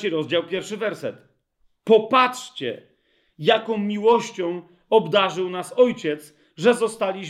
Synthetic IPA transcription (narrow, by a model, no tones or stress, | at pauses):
iɾɔzd͡ʑawpʲjɛɾfʂɘvɛɾsɛt̪ | pɔpatʂt͡ɕɛ̰ | jakɔ̃w̃mʲiwɔɕt͡ɕɔ̃w̃ | ɔbd̪aʐɘwnasɔjt͡ɕɛt̪s | ʐɛzɔst̪alʲiɕ